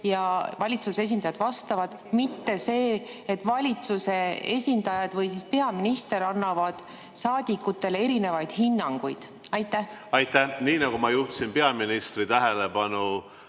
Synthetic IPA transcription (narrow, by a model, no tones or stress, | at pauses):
jɑvɑlʲit̪suse̞s̬ʲind̪ɑjɑd̪vɑst̪ɑvɑd̪̥ | mit̪ːe̞se̞ː | et̪ːˑvɑlʲit̪suse̞e̞̰sʲind̪ɑjɑd̪vɤjsispe̞ɑminist̪e̞ɾɑnːɑvɑd̪̥ | sɑːd̪̥ʲikːˑut̪ːˑe̞le̞ɾine̞vɑjd̪̥hinːɑŋɡ̥ujd̪̥ | ɑjt̪ːˑæh | ɑjt̪ːæhniːnɑɡ̥umɑjuht̪u̥sinpe̞ɑminist̪rit̪æɦelebɑnu